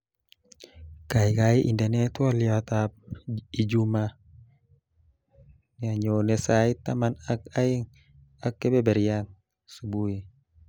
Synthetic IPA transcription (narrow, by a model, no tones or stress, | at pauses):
kaikaiʔindenɛt̪uɔliat̪ap̚id͡ʒuma | ɲaɲonɛsait̪amanak̚aiŋ | akːɛbɛbɛɾian | subui